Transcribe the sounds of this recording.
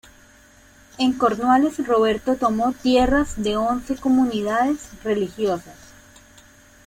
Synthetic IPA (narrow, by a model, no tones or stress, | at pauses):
e̞ŋko̞ɾnwale̞sro̞βe̞ɾt̪o̞t̪omo̞t̪je̞razd̪e̞o̞nse̞ko̞muniðaðe̞sre̞lixjo̞sas